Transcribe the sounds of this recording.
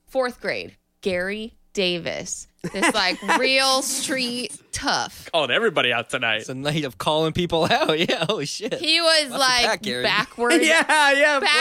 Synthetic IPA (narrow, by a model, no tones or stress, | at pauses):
fɔɹθɡ̥ɹeɪd̚ | ɡ̥ɛɹi | d̥eɪvɨ̰s | ðɪslaɪkɹilˠstɹ̥itʰʌ̰fkʰɔlˠɪ̃ŋɛvɹibɑɾiaʊtʰɨnaɪt̚ðɨnaɪɾʌv̥kʰɔlˠɪ̃ŋpipl̩ˠaʊt̚jæoʊʃɪthiwʌzlaɪɡ̥ɛɹbækʰwə˞jæjæbæ